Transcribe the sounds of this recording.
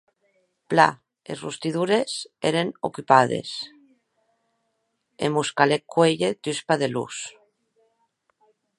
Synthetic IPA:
pla̰ | ezrṵst̪iðuɾesḛɾeno̰kypað̞ḛs | ḛmuskalekːweʎet̪yspaðelṵs

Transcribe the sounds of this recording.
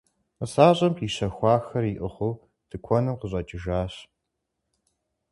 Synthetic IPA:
əsaːɕʼɐmpiːɕɐxʷɑːxɐriʔɨχʷoː | d̥ʰɨkʷʰɔnɨmqəɕ̬ʼɐd͡ʒʼɪʒaːɕ

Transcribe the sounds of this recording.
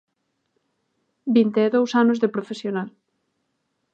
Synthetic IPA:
bint̪eːðowsanozðepɾofesjonal

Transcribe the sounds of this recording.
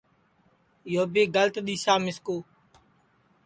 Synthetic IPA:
ɪjoːbeːɡəlt̪ɗ̪iːsaːmɪskoː

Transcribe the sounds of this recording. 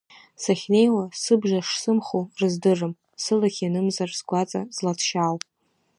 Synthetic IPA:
saχʲne̞jwasɨbʐaʂsɨmχorɨzdɨrɨm | sɨlaχʲanɨmzarsɡʷat͡sʼa̰zlat͡sʰʃawpʼ

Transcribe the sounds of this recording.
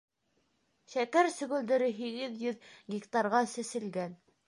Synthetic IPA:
ʃækæɾsɵ̆ɡɵ̆ld̪ɘ̆ɾɘɦiɡɘðjɵðɡʲikt̪ɑrʁɑsɘ̆sɘ̆lɡæn

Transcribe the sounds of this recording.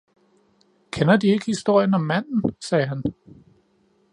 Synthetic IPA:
kʰenɐd̥ie̝ɡ̥əhisd̥o̝ɐ̰jənɒ̽mːæn̰n̩sɛːɦæn

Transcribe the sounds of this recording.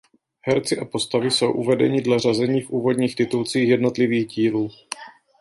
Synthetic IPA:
hɛɾt͡sɪʔapo̞st̪avɪso̞wʔuvɛdɛ̰ɲɪdlar̝azɛɲiːfʔuːvo̞dɲiːxt̪ɪt̪ult͡siːxjɛdno̞t̪lɪviːɣɟiːluː

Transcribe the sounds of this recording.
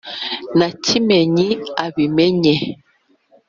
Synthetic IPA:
nacʰimɛɲiaβimɛɲɛ

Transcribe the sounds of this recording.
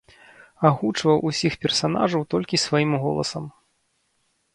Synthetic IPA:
aɣut͡ʂvɐwʔusʲixpʲɛrsana̰ʐɐwt̪ɔlʲkʲisvajimɣɔ̰lˠɐ̰sɐm

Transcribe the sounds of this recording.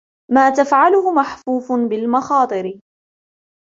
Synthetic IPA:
maːt̪afʕalʊhʊmaħfuːfʊnbɪlmɑxɑːt̪ˤɨɾɪ

